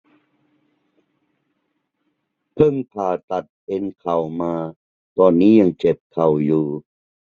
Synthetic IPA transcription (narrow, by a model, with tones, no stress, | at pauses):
pʰɤ˧˥˩ŋpʰaː˨˩t̪a˨˩t̪̚ʔe˧nkʰa˨˩wmaː˧ | t̪ɔː˧nːiː˦˥˨ja˧˩ŋt͡ɕe˨˩p̚kʰa˨˩wjuː˨˩